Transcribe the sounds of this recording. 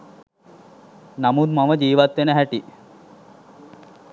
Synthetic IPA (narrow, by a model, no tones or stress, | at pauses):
namud̪maməd͡ʒiːʋat̪ʋenəɦæʈi